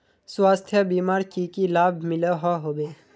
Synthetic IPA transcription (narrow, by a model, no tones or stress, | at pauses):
swaːst̪ʰjəbiːmaːɾkikilaːbʱmɪleɦaɦoːbe